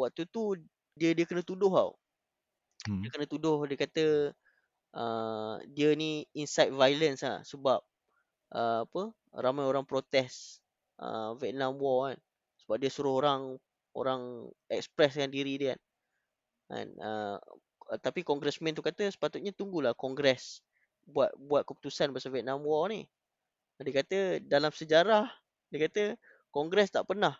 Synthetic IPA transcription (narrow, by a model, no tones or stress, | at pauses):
wak̚t̪ut̪u | diədiəkənə̃t̪udʊɦa̰w | diəkənə̃t̪udʊhdiəkat̪ə | ʔədiəniinsajt̪̚vajlənsla̰səbap̚ | ʔəapə | ɾamajoɾaŋpɾot̪ɛs | ʔə̰vɛt̪̚nãmawan | səbap̚diəsuɾʊhoɾaŋ | o̰ɾaŋɛ̰ksə̥pɾɛskandiɾidia̰n | a̰nə̰ | t̪apikɔŋɡɾɛsmɛ̃nt̪ukat̪əsə̥pat̪uʊt̪̚ɲat̪uŋɡulahkɔŋɡɾɛs | buat̪̚buat̪̚kəput̪usanbaasavɛt̪̚nãmwɔni | diəkat̪ədalamsəd͡ʒaɾah | diəkat̪ə | kɔŋɡɾɛst̪aʔpərnah